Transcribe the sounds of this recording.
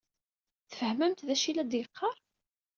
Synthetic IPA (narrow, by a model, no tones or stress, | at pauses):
θfəhməmt̪ðæʃilæd̪jəqːɑɾˤ